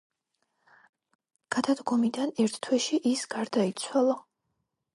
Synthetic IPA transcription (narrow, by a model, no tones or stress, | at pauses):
ɡ̥ad̪ad̪ɡɔmid̪anɛɾt̪ʰt̪ʰwɛʃiʔisɡaɾd̪ait̪sʰwalˠa